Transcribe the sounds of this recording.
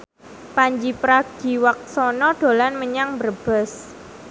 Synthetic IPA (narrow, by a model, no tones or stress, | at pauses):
paɲd͡ʒipɾaɡ̥i̤wak̚sɔnɔɖ̥o̤lanməɲaŋbərb̥əs